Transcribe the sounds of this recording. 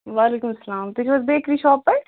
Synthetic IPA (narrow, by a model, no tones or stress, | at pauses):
ʋaːleːkʊmɐsɐlaːmt̪ɪt͡ʃʰʋɐsb̪eːkʰɾiʃɔːpːɛ